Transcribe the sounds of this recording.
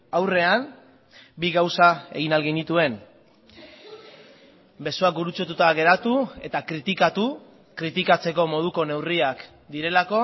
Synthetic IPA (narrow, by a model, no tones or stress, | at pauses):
awre̞am | biɣawsae̞̰ɣinalɣenit̪ue̞n | be̞soak̚buɾut͡sot̪ut̪aɣe̞ɾat̪ue̞t̪akɾit̪ikat̪u | kɾit̪ikat͡se̞ko̞mo̞ð̞uko̞ne̞wriak | d̪iɾe̞lako̞